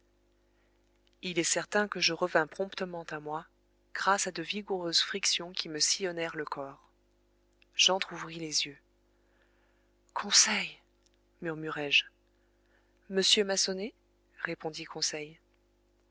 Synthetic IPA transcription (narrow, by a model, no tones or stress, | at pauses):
ilɛsɛʁt̪ɛ̃kəʒəʁəvɛ̃pχɔ̃pt̪əmɑ̃t̪amwa | ɡ̥ʁasad̪əviɡuʁøzfχiksjɔ̃kʲʰiməsijɔnɛʁləkʰɔʁ | ʒ̥ɑ̃t̪χuvʁilezjø | kʰɔ̃sɛj | myʁmyʁɛʒ | məsjømasɔne | ʁepɔ̃d̪ikʰɔ̃sɛj